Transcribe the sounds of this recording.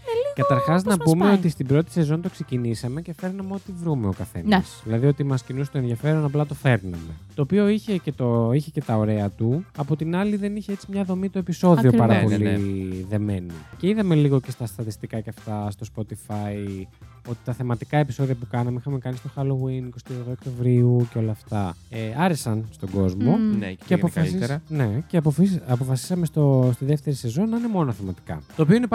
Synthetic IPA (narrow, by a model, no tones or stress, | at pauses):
kɐt̪ɐɾxɐznɐpumeot̪ist̪ibɾo̞t̪i̥se̞zo̞nt̪o̞kse̞cinisɐme̞ce̞fe̞ɾnɐmeo̞t̪ivɾume̞o̞kɐθe̞̰nɐsðilɐðio̞t̪imɐscinus̬t̪oe̞nðijɐfe̞ɾo̞nɐplɐt̪o̞fe̞ɾnɐ̰me̞t̪o̞ːpio̞içe̞ce̞t̪oiçe̞ce̞t̪ɐo̞ɾe̞ɐt̪uɐpo̞t̪inɐliðe̞niçeet͡simɲɐðo̞mit̪oe̞piso̞ðio̞pɐɾɐppo̞liðe̞me̞nice̞iðɐme̞liɣoce̞st̪ɐst̪ɾɐt̪ist̪ikɐceɐft̪ɐst̪o̞spo̞t̪ifɐj | o̞t̪i̥t̪ɐθemɐt̪ikɐe̞piso̞ðiɐpukɐnɐmeixɐmekɐnist̪o̞xɐɾlowiniko̞st̪ioɣðook̚t̪o̞vɾiuceo̞lɐːft̪ɐeɐɾesɐnst̪o̞ɡo̞zmo̞nceɐpofine̞ceɐpofiɐpo̞fɐsi̥sɐme̞st̪ost̪iðe̞ft̪e̞ɾise̞zo̞nɐinemo̞noθemɐt̪i̥kɐ̰t̪oːpio̞ine